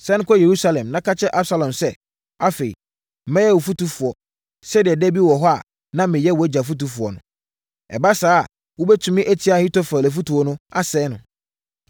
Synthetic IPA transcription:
sɛ˦nʊ̃˦kʰɔ˦je˨ɾu˦sa˦lɛ̃˨mnã˦kʰa˦t͡ɕʰɛ˦ʔa˦bsa˦lã˨msɛ˦ | a˦fe˨ḭ˨ | m̩˦mɛ̃˦jɛ˦wɔ˨fu˦tu˦fu˨ɔ˨ | sɛ˦dɪ˨ɛ˨dɛ˦bi˦wɔ˨ɦɔ˦a̰˨ | nã˦mɪ̃˨jɛ˦˨wɔ˨æ˦d͡ʑa˨f̬u˦t̬u˨fu˨ɔ̰˨nʊ̃˦ | ɛ̰˨ba˦saː˦˨ | wo˦bɛ˦tʰũ˨mɪ̃˦ʔæ˦tʰi˦a˨hĩ˦tɔ˦fɾa˨lɛ˨fu˦tu˨ɔ˦nʊ̃˦a˦sɛː˨˦nʊ̃˨

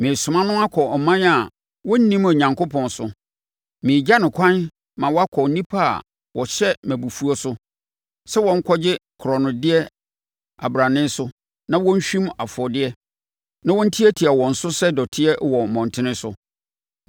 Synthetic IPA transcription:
mɪ̃˨sʊ˨mã˦nʊ̃˦a˦kʰɔ˨ɔ˨mã˦na˨ | wɔ˦n̩˦nĩ˦ma˨ɲã˨ŋkʰʊ˦pʰɔ̃˨nsʊ˨ | mɪ̃ː˨d͡ʑa˦nɪ̃˨kʰʷã˦n | mã˨wɔ˦a˦kʰɔ˨˦nĩ˦pʰa˦a̰˨ | wʔɔ˨ɕɛ˦mæ̃˨bu˨fu˦ɔ˦sʊ˦ | sɛ˦wɔ̃˦ŋ̩˦kʰɔ˦d͡ʑɪ˦kʰʊ˨ɾɔ˨nʊ̃˨dɪ˦ɛ˦ | a̰˨bɾa˨nɪ̃˦n˦sʊ˦ | nã˦wɔ̃˦n̩˦ɕᶣĩ˦ma˨fʊ˨ɔ˨dɪ˦ɛ˦ | nã˦wɔ̃˦n̩˦tʰi˦æ˦tʰi˨a˨wɔ̃˨n̩˨sʊ˦sɛ˦dɔ˨tʰɪ˦ɛ˦wɔ˨m̩˨mɔ̃˨ntʰɪ˦nɪ̃˦sʊ̰˨

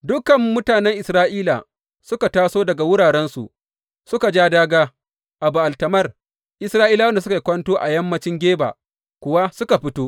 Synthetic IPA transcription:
dʊ˦kɐ˨mːʊ˦taː˨nɛ˦ŋʔɪ˨sɾaː˦ʔiː˦la̰˨ | sʊ˦ka˨taː˦soː˦dɐ˨ɡa˨wʊ˦ɽaː˨ɾɛ˦nsṵ˨ʔ | sʊ˦ka˨d͡ʒaː˦daː˦ɡaː˦ | ʔa˨bu˨ʔa˨ltɐ˨mɐ˦r | ʔɪ˨sɾaː˦ʔiː˦la˦wɐ˦ndsʊ˦ka˨jkʷɐ˦ntoː˦ʔa˨jɐ˦mːɐ˦t͡ʃɪ˦ŋɡʲeː˦ba̰˨ | kʷʊ˦wa˦sʊ˦ka˨ɸɪ˦toː˦ʔ

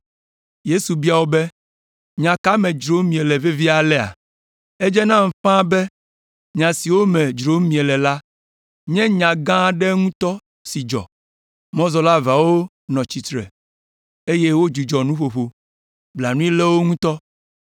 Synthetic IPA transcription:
je˦su˨bi˦a˨wo˦bɛ˦ | ɲã˨ka˦mɛ̃˨d͡ʒɾo˨˦mĩ˨e˨lɛ˨ve˦vi˦a˨lɛ˦a̰˨ | e˦d͡ʒɛ˦nã˦m̩˨ɸã˦bɛ˦ | ɲã˨si˨wo˦mɛ̃˨d͡ʒɾo˦mĩ˨ɛ˨lɛ˨la˦ | ɲɛ̃˦ɲã˨ɡã˦ɖɛ˦ŋũ˦t̪ɔ˦ | si˨d͡ʒɔ̰˨ | mɔ̃˦zɔ˨la˦va˨wo˦ | nɔ̃˨t͡ɕi˨t̪ɾɛ̰˨ | e˦je˦wo˦d͡ʒu˨d͡ʒɔ˨nũ˦ɸo˨ɸo˨ | bla˨nũ˦i˦lɛ˦wo˦ŋũ˦t̪ɔ˦

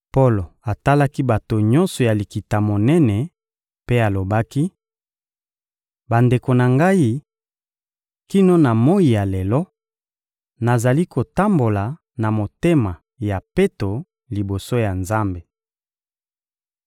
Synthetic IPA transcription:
po˦lo˨a˨ta˦la˦ki˦ba˨to˨ɲɔ̃˦nsɔ˨ja˨li˨ki˨ta˨mo˨nɛ˦nɛ˨ | pe˦a˨lo˨ba˦ki˦ | ba˨nde˨ko˨na˨ŋɡa˦i˦ | ki˦no˦na˨mo˦i˨ja˨lɛ˨lɔ˦ | na˨za˨li˦ko˨ta˦mbo˨la˨ | na˨mo˨te˦ma˨ | ja˨pe˦to˨ | li˨bo˨so˦ja˨nza˦mbe˨

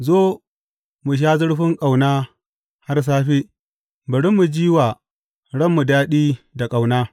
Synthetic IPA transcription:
zoː˦ | mu˨ʃ̬aː˦zʊ˦ɽɸɪ˦ŋkʼa˨wnaː˦ | ha˦rs̬aː˦ɸiː˦ | bɐ˨ɽɪ˦mːu˨d͡ʒiː˦waː˨ | ɽɐ˦mːu˨daː˦ɗiː˦da˨kʼa˨wnaː˦

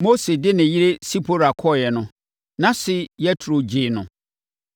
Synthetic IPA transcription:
mo˦se˨dɪ˦nɪ̃˨ji˦ɾe˦si˦pʰo˦ɾa˨kʰɔ˦˨jɛ˨nʊ̃˦ | nã˦sɪ˦jɛ˦tʰɾo˨d͡ʑɪː˨nʊ̃˨

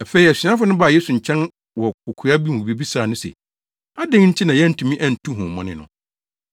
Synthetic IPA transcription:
æ˨fe˨i˨æ˨si˨˦ã˦fʊ˦nʊ̃˦ba˨je˦su˨ɲ̩˨t͡ɕʰɛ̃˦n | wɔ˨ʊ˨kʰu˨a˦bi˦mũ˨bi˦bi˦saː˨nʊ̃˦sɛ̰˨ | a˦dɪ̃˦ŋ˦n̩˦tʰɪ˦nã˨jɛ˦n̩˨tʰũ˨mĩ˦ʔæ̃˦˨n̩˨tʰũ˦ɦũ˨mɔ̃˨nɪ̰̃˨nʊ̰̃˨

